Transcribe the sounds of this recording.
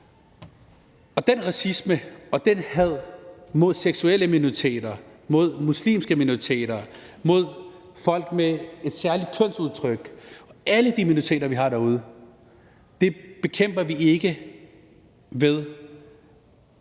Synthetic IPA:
ɒ̽d̥enʁɑ̈sisməɒ̽d̥enhæð̞̰ˠmo̝ð̞̰ˠseɡ̥sueləminoʁit͡sʰe̝̰ːd̥ɐ | mo̝ð̞̰ˠmuslḭːmsɡ̥əminoʁit͡sʰe̝̰ːd̥ɐ | mo̝ð̞̰ˠ | fɒ̽l̰ɡ̥mee̝d̥sæɐlid̥̚kʰɔn̰suðˠt͡sʰʁœɡ̥ɒ̽æləd̥iminoit͡sʰḛːd̥ɐʋiɦɑ̈d̥æɐuːð̞ˠə | d̥e̝b̥e̝kʰem̰b̥ɐʋie̝ɡ̥ə | ʋeð̞ˠ

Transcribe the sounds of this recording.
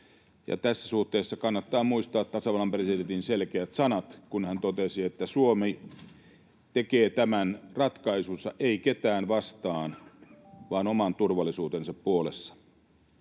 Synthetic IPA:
jɑ̰t̪æsːæsuht̪eːsːɑkɑnːɑt̪ːɑːmuist̪ɑːt̪t̪ːɑsɑʋɑlɑmpresident̪inselkeæt̪sɑnɑt̪kunhænt̪ot̪esiet̪ːæsuomi | t̪ekeːt̪æmænrɑt̪kɑisunsːɑʔeiket̪æːnʋɑst̪ɑːn | ʋɑːnomɑnt̪urʋɑlːisuːt̪ensɑppuolesːɑ̥

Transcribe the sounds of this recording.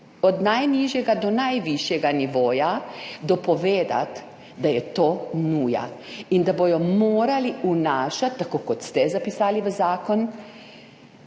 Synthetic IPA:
ɔd̪najniʒjɛɡad̪ɔnajʋiʃjɛɡaniʋoːjad̪ɔpɔʋeːd̪a̰t̪ | d̪ajɛt̪oːnuːja̰ind̪abojɔmoːɾaliunaːʃat̪ːakoːkɔt̪st̪ɛzapisaːliʋəzaːkɔn

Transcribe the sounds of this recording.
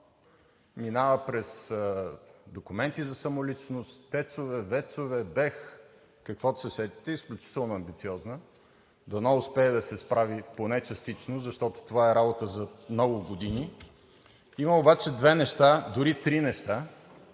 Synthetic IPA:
minavəpɾɛsəd̪okʊmɛnt̪izɐsɐmolit͡ʃnʊst̪t̪ːɛt̪sovɛvɛt̪sovɛbɛx | kəkvɔt̪sɛsɛd̪i̥t̪ɛisklʲʊt͡ʃi̥t̪ɛlˠnoɐmbit̪siɔznə | d̪ɐnaʊspɛːd̪ɐsɛspɾaviponɛt͡ʃɐst̪it͡ʃnozɐʃt̪ɔt̪o̥t̪ovaɛɾabot̪əzɐmnɔɡʊɡod̪ini | iməobat͡ʃɛd̪vɛnɛʃt̪ad̪ʊɾit̪ɾinɛʃt̪a

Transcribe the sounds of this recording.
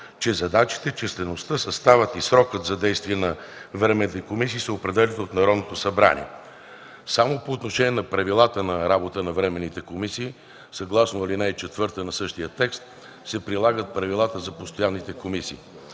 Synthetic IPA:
t͡ʃɛzɐd̪at͡ʃi̥t̪ɛt͡ʃɛst̪ɛnost̪əsɐst̪avət̪isɾɔkət̪zɐd̪ɛjst̪viɛnɐvɾɛmɛnit̪ɛkomis̬iːsəopɾɛd̪ɛlɛnot̪nɐɾɔd̪not̪osɐbɾa̰nḭɛ̰ | samopoːt̪noʃɛnʲiɛnɐpɾɐvilˠat̪ənɐɾabot̪ənɐvɾɛmɛnːit̪ɛkomisiː | sɐɡlˠasnoɐlinɛit͡ʃɛt̪vɤɾt̪ənɐsɤʃt̪ijət̪ɛkst̪ | sɛpɾilˠaɡət̪̚pɾɐvilˠat̪əzɐpost̪ojanːit̪ɛkomisḭː

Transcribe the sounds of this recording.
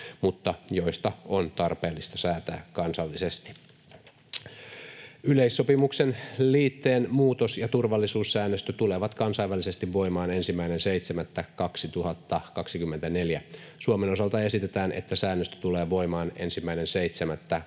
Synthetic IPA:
mut̪ːɑjo̞ist̪ɑont̪ɑrpe̞ːlːist̪ɑsæːt̪æːkɑnsɑlːisest̪i̥ | yleisːo̞pimuksenliːt̪ːe̞ːnmuːt̪osjɑt̪urʋɑlːisuːsːæːnːøst̪øt̪uleʋɑt̪kɑnsɑjʋːælise̞st̪iʋʋo̞imɑːne̞nsimːæinenseit̪semæt̪ːækɑksit̪uhɑt̪ːɑkɑksikymːe̞nt̪æne̞ljæ | suomeno̞sɑlt̪ɑe̞sit̪et̪æːnʔe̞̰t̪ːæsæːnːøst̪ø̥t̪uleːʋo̞imɑːne̞̰nsimːæinenseit̪semæt̪ːæ

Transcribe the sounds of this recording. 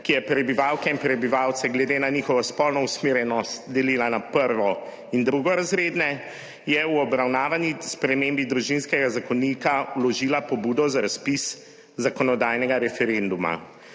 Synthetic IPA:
kijɛpɾɛbiʋaːwkɛinpɾɛbiʋaːwt̪sɛɡlɛd̪eːnaniːxɔʋaspɔlnɔusmeːɾjɛnɔst̪d̪ɛliːlanapəɾʋɔ | ind̪ɾuɡɔɾazɾeːd̪nɛ | jɛwɔbɾawnaːʋanispɾɛmembid̪ɾuʒinskɛɡazakɔniːkaulɔʒiːlapɔbuːd̪ɔzaɾaspis | zakɔnɔd̪aːjnɛɡaɾɛfɛɾend̪uma̰

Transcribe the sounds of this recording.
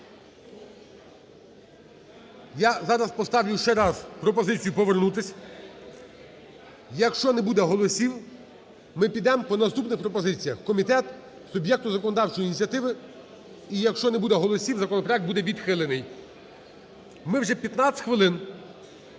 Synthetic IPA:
jazɑɾɐspɔst̪ɑʋlʲʊʃt͡ʃɛɾɑzpɾɔpɔzɪt͡sʲijupɔʋernut̪ɪsʲɐ | jɐkʃt͡ʃɔnɛbud̪ɛɦɔlˠɔsʲiw | mɪpʲid̪ɛmpɔnɐst̪upnɪxpɾɔpɔzɪt͡sʲijɐxkɔmʲit̪ɛt̪ | sʊbjɛk̚t̪ʊzɐkɔnɔd̪ɑwt͡ʃɔjinʲit͡sʲjɐt̪ɪʋɪ | ijɐkʃt͡ʃɔnɛbud̪ɛɦɔlˠɔsʲiwzɐkɔnɔpɾɔjɛk̚bud̪ɛʋʲid̪xɪlˠenɪj | mɪwʒɛpʲjɐt̪nɑt̪ʲxʋɪlˠɪn

